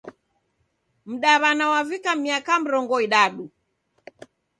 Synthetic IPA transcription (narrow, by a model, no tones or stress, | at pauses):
m̩ɗaβanawavikamiakam̩ɾɔŋɡɔiɗaɗu